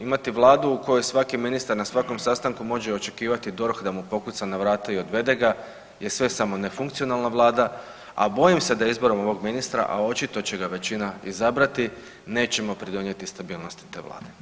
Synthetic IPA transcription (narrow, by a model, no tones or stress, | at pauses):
imat̪iʋlˠaːd̪uːko̞jojsʋakiminist̪aɾnasʋako̞msast̪aŋkumo̞ʒe̞o̞t͡ʃe̞kiːʋat̪id̪o̞ɾxd̪amupo̞kut̪sanaʋɾaːt̪aio̞d̪ʋe̞d̪e̞ɡa | je̞sʋe̞samo̞ne̞fuŋkt̪sio̞nalnaʋlˠaːd̪a | a̰bo̞jimse̞d̪aizbo̞ɾo̞mo̞ʋo̞ɡminist̪ɾa̰ʔa̰o̞t͡ʃit̪o̞t͡ɕe̞ɡaʋe̞t͡ɕinaizabɾat̪i | ne̞ːt͡ɕe̞mo̞pɾid̪o̞nje̞t̪ist̪abiːlˠno̞st̪i̥t̪e̞ːʋlˠa̰ːd̪e̞